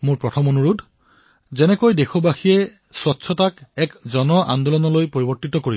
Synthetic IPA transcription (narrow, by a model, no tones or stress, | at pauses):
mʊɹpɹɔtʰɔmonuɹudʱ | zɛnɛkojdexobaxijɛ | swɔtːsʰɔtakɛkzɔnɔʔa̰nd̪ɔlɔnɔlojpoɹibɔɹtitɔkoɹib